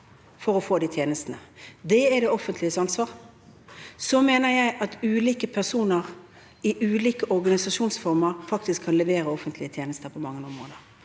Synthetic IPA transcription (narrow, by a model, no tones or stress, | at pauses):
fɔɾɔfoːd̪it̪ʰjeːnəst̪ənəd̪ɛɛd̪ɛɔfənt̪ʰlɪəsɑnsʋɑːʁ | sɔmeːnəɾjæɪʔɑt̪ʉːliːkəpʰæʁsuːnəʁ | ɪʔʉːliːkəʔɔɾɡɑnɪsɑʂuːnsfɔʁməʁfɑkt̪ɪskʰːɑnlɛʋeːɾəɔfənt̪lɪət̪ʰjeːnəst̪əɾpʰɔmɑŋːənʊmo̰ːnəʁ